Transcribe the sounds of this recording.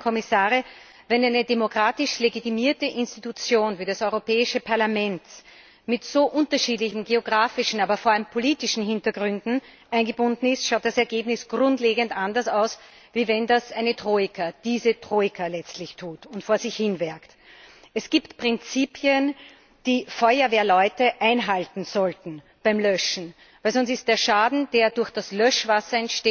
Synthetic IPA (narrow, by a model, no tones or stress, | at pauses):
kʰɔmɪsaːʁə | vɛnæɪnədemokʁ̥aːtɪʃleɡitimiːɐtəʔɪnstitut͡sjoːnviːdasɔʏʁopɛːɪʃəpʰaɐlamɛnt | mɪtz̥oːʔʊ̃ntɐʃiːdlɪçn̩ɡeoɡʁaːfɪʃn̩aːbɐfoɐalmpʰoliːtɪʃn̩ɦɪntɐɡ̥ʁʏndn̩ | ʔæɪnɡəbʊndn̩ɪstʃaʊt̚d̥asɛɐɡeːbnɪsɡ̥ʁʊ̃ntleːɡəntʔandɐsaʊs | viːvɛndasʔæɪnətʁ̥oːɪkʰad̥iːzətʁ̥oːɪkʰalɛt͡stlɪçtʰuːtʊntfoːɐzɪçhɪnvɛɐkt | ɛsɡ̥iːptpʁ̥ɪnt͡siːpʰjən | d̥iːfɔʏɐveːɐlɔʏtəʔæɪnɦaltn̩z̥ɔltn̩ | b̥æɪmlœʃn̩ | væɪlsɔnsɪst̚d̥eːɐʃaːdn̩d̥eːɐdʊɐxd̥aslœʃv̥asɐɛntʃteː